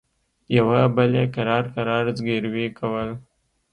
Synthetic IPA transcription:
jawabəlekaɾɑːɾkaɾɑːɾzɡeɾwekʰəwəl

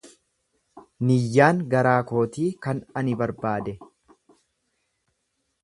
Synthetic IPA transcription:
nɪjːaːŋɡɐɾaːko̞ːt̪iːkɐnɐnɪbɐɾbaːd̪ɛ

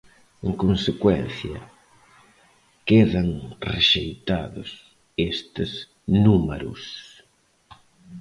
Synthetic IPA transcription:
eŋkonsekwɛnθjɐ̰ | keðɐŋreʃejt̪aðʊ̰s | est̪ɪz | numeɾʊ̰s

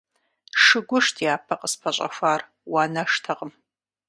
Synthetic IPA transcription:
ʂɨɡʷʊʂtʰjaːpʰɐqʼəspʰɐɕʼɐ̰xʷaːr | waːnɐʂtʰɐʁəm

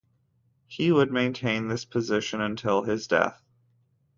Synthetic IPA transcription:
hiwəd̚mẽɪ̃ntʰẽɪ̃nðɪspʰɨzɪʃɨ̃nɨ̃ntʰɪlˠɪzdɛ̰θ

